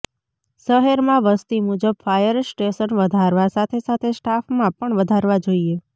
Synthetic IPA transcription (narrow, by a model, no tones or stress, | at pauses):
ʃəɦeɾmãʋəst̪imud͡ʒəb̚fajəɾsʈeʃənʋəd̪ʱaɾʋasat̪ʰesat̪ʰesʈafmãpəɳʋəd̪ʱaɾʋad͡ʒoie